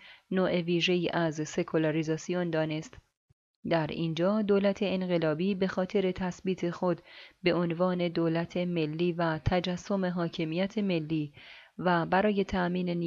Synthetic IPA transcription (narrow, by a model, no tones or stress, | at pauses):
noːʔeviːʒe̞iːʔæzse̞kʰolɑɾizɒːsiond̪ɒːne̞st̪ | d̪æɾiːnd͡ʒɒːd̪oːlæt̪ʰe̞enɢe̞lɒːbiːbe̞xɒːt̪ʰe̞ɾe̞t̪ʰæsbiːt̪ʰe̞xo̞d̪be̞ʔonvɒːne̞d̪oːlæt̪ʰe̞me̞lːiːvæt̪ʰæd͡ʒæsːo̞me̞ɦɒːcʰe̞mijæt̪ʰe̞me̞lːiːvæbæɾɒːje̞t̪ʰæʔmiːne̞ni